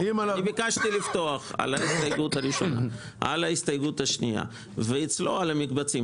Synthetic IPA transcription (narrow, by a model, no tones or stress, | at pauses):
imalibikaʃt̪ilift̪o̞aχa̰laist̪ajɡutaʁiʃo̞na̰ | ʔa̰laist̪ajɡutaʃnia̰ | veit͡slo̞̰alamikbat͡si